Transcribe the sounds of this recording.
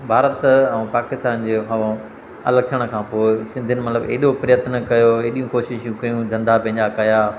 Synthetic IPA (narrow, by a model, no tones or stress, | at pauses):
bʱaːɾət̪ɛ̃ũpaːkɪst̪aːnd͡ʑeːɦɐʋã | ɐ̰ləɡ̚t̪ʰiəɽ̃kʰãːpoːɪsɪ̃nd̪ʱiənɪmɐt̪ləbḛːɗopɾɪjət̪nɐkɐjoeːɗijũkoːʃɪʃjũkɐjũzɐ̃nd̪apɐ̃ɦɪ̃ɲd͡ʑakɐjaː